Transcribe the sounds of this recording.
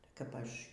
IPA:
kɐp ˈɐʃ

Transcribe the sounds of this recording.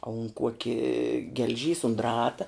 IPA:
ɐ ʊn ˈkuɔkʲɪ ɡʲɛlʲˈʒʲiːs ʊn ˈdrɑːtɐ

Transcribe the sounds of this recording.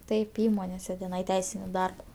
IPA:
ˈtɐɪp ˈiːmoːnʲeːsʲɛ tʲɛˈnɐɪ ˈtʲɛɪsʲɪnʲɪ ˈdɐrbɐ

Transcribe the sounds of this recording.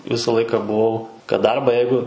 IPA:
ˈʋʲɪsɐ ˈlˠɐɪkɐ bʊˈʋɐʊ kɐt ˈdɐrbɑː ˈjɛɪɡʊ

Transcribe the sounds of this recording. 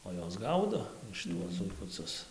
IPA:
oː ˈjoːs ˈɡɐʊdoː ʃʲɪˈtuɔs zʊɪkʊˈt͡sʊs

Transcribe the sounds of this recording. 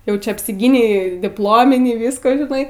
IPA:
ˈjɛʊ ˈt͡ʃʲɛ ɐpʲsʲɪˈɡʲiːnʲɛɪ dʲɪpˈlˠoːmʲɪnʲiː ˈʋʲɪskoː ʒʲɪˈnɐɪ

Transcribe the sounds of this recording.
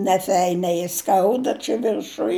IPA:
nʲɛˈfʲɛɪnʲɛɪ ˈskɐʊdɐ t͡ʃʲɛ ʋʲɪrˈʃʊj

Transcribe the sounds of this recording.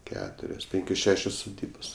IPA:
ˈkʲæːtʊrʲoːs ˈpʲɪŋʲkʲoːs ˈʃʲæːʃʲoːs sʊˈdʲiːboːs

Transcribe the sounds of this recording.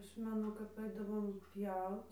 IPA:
ˈɐʃ mʲɛˈnʊ kɐp ˈɐɪdɐʋoːm ˈpʲjɛʊt

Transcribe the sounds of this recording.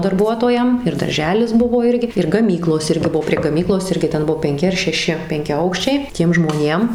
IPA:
dɐrˈbuɔtoːjɛm ɪr dɐrʲˈʒʲæːlʲɪs ˈbʊʋoː ˈɪrʲɡʲɪ ɪr ɡɐˈmʲiːklˠoːs ˈɪrʲɡʲɪ ˈbʊʋoː pʲrʲiɛ ɡɐˈmʲiːklˠoːs ˈɪrʲɡʲɪ ˈtʲɛn ˈbʊʋoː pʲɛŋʲˈkʲɪ ɐr ʃʲɛˈʃʲɪ pʲɛŋʲkʲɛˈɐʊkʃʲt͡ʃʲɛɪ ˈtʲiɛm ʒmoːˈnʲeːm

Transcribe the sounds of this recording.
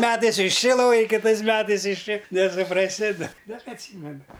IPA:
ˈmʲæːtɐɪs ɪʃ ˈt͡ʃʲɪ ˈlˠoːj kʲɪˈtɐɪs ˈmʲæːtɐɪs ɪʃ ˈt͡ʃʲɪ nʲɛsʊprɐˈsʲɪ dɐ bʲɛt ɐtʲˈsʲiːmʲɛnʊ

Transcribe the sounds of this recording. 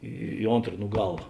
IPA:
iː ˈoːntr nʊ ˈɡɑːlˠɐ

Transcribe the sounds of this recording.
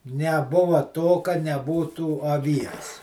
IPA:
nʲɛˈbʊʋɐ toː kɐ nʲɛˈbuːtuː ɐˈʋʲiɛs

